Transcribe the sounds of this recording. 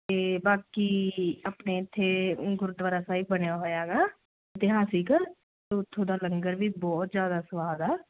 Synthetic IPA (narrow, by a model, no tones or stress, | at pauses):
t̪eːbaːkiːəpneːɪt̪ʰːeːɡʊɾʊd̪ʋaːɾaːsaːiːbəɽjaːɦoːjaːɡaː | ɪt̪ɪɦaːsiːkəɾ | t̪ot̪ʰːoːd̪aːləŋɡəɾʋiːbɔːt̪zjaːd̪aːsəʋaːd̪ɛː